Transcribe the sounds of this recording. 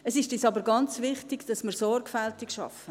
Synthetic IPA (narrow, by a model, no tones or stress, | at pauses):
əsɪʃtisɑbəɾɡɑnt͡sʋɪχtɪɡd̥ɑsmiɾsɔrɡfɛltɪkʃɑ̰fə